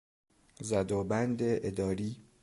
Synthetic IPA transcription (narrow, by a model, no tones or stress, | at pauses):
zæd̪ɒːbænd̪eʔed̪ɒːɾiː